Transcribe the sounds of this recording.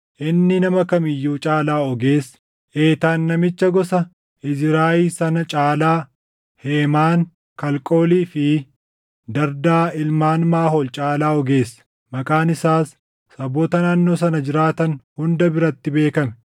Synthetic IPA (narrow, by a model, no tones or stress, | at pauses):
ʔɪnːɪnɐmɐkɐmɪjːuːt͡ʃʼaːlaːɔɡe̞ːs | ʔe̞ːt̪aːnːɐmɪt͡ʃːɐɡɔsɐ | ɪzɾaːʔiːsɐnɐt͡ʃʼaːlaː | heːmaːŋ | kɐlkʼo̞ːliːfɪ | d̪ɐɾd̪aːɪlmaːnmaːɦolt͡ʃʼaːlaːɔɡe̞ːsɐ̥ | mɐkʼaːnɪsaːsː | ɐboːt̪ɐnaːnːo̞ːsɐnɐd͡ʒɪɾaːt̪ɐnhʊnd̪ɐbɪɾɐt̪ːɪbe̞ːkɐmɛ̥